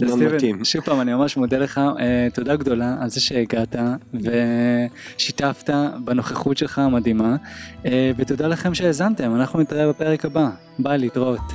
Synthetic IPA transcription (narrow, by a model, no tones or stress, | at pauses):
iveimʃuvpaːmanimamaʃmod̪ele̞χaet̪o̞daɡd̪o̞laalzeʃe̞ːɡatave̞ | ʃitaftabano̞χeχutʃe̞lχamadimaevetodalaχe̞mʃeːzamte̞manaχnunit̪aʁebapeʁekaba | balitʁo̞t